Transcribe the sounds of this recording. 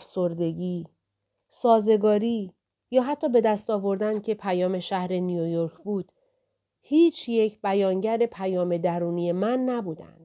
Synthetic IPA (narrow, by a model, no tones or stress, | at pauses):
fso̞ɾd̪e̞ɡiː | sɒːze̞ɡɒːɾiː | jɒːɦæt̪ʰːɒːbe̞d̪æst̪ɒːvo̞ɾd̪ænd̪̥cʰe̞pʰæjɒːme̞ʃæhɾe̞nijojoɾkʰbuːd̪̥ | hiːt͡ʃʰje̞cʰbæjɒːŋɟæɾe̞pʰæjɒːme̞d̪æɾuːnije̞mænːæbuːd̪æ̰nd̪̥